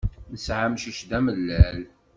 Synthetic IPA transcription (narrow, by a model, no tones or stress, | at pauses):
nəsʕamʃəʃd̪æməlːæl